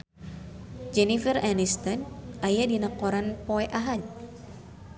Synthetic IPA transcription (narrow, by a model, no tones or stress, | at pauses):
d͡ʒɛnifəranist̪ɔnʔajadinakɔɾanpoɛʔaɦad̪̚